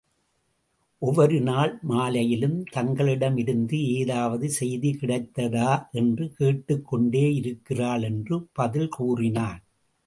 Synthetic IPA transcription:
ʔɔʋɐɾɯnaːɭmaːlɐjɪlɯmt̪ɐŋɡɐɭɪɽɐmɪɾɯnd̪ɯeːðaːʋɐðɯsɛjðikɪɽɐɪt̪ːɐðaːʔɛndrɯkeːʈːɯkːɔɳɖeːɪɾɯkːɪraːɭɛndrɯpɐðɪlkuːrɪnaːn

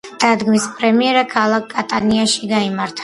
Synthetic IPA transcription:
d̪̥ad̪ɡmispʼɾɛmiɛɾakʰalˠakːʼat̪ʼaniaʃiɡaimaɾt̪ʰḁ

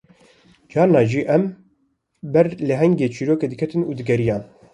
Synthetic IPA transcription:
d͡ʒɑːɾnɑːʒiːʔɛm | bɛɾlɨɦɛŋɡeːt͡ʃʰiɾoːkeːd̪ɨkʰɛt̪ɨnuːd̪ɨɡɛɾijɑːn

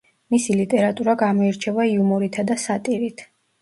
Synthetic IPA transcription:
misilit̪ʼɛɾat̪ʼuɾaɡamɔiɾt͡ʃʰɛvaiumɔɾit̪ʰad̪asat̪ʼiɾit̪ʰ

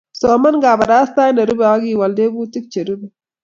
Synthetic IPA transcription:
soːmɐnɡaːbɐɾaːst̪aːjnɐɾubeaːɡiːwɐld̪eːbuːt̪ik̚t͡ʃeɾube

